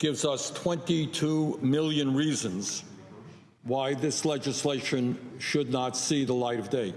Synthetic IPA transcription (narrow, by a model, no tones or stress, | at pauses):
ɡ̥ɪvzʌstʰw̥ɛ̃ntitʰumɪlˠjɨ̃nɹizɨ̃nz̥ | waɪðɪslɛd͡ʒɨsleɪʃɨ̃nʃʊdⁿnətsiðəlaɪɾʌvdeɪt̚